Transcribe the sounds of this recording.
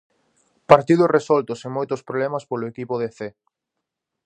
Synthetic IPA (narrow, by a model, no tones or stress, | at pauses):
paɾt̪iðʊsresɔlt̪ʊseŋmojt̪ʊspɾoβlɛmɐspolʊekipʊðeθe